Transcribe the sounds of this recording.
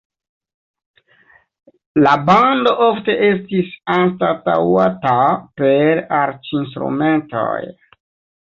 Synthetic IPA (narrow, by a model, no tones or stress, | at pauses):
labando̞ʔo̞fte̞ʔe̞stisanstata̰watape̞ɾaɾt͡ʃinstɾṵme̞nto̞̰j